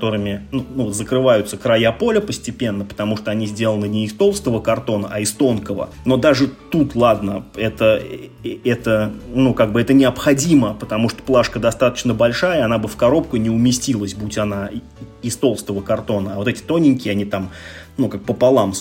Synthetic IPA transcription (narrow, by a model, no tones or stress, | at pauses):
kt̪o̞ɾɨmʲɪnunuzəkɾɨvajʊt̪səkɾɐjapo̞lʲəpəsʲtʲɪpʲe̞nːəpə̥t̪ɐmuʂt̪oɐnʲizʲdʲe̞lˠənɨnʲɪːst̪o̞lˠst̪əvəkɐrt̪o̞nəʔaɪst̪o̞nkəvə̰ | no̞d̪aʐɨt̪ut̪lˠad̪nəɛt̪ə | ɛt̪ənukaɡ̚bɨɛt̪ənʲɪɐpxɐdʲiməpət̪ɐmuʂt̪o̥plˠaʂkəd̪ɐst̪at̪ə̥t͡ɕnəbɐlʲʂajəɐnabɨfkɐɾo̞p̚kʊnʲɪʊmʲɪsʲtʲilˠəsʲbutʲɐna | ɪst̪o̞lˠst̪əvəkɐrt̪o̞nəavo̞t̪ɛtʲɪ̥t̪o̞nʲɪnʲkʲɪːɐnʲit̪amnukak̚pəpɐlˠam